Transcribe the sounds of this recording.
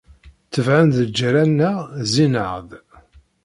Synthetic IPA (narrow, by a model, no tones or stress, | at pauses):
θəvʕənðəd͡ʒːɾænːæzinəʁð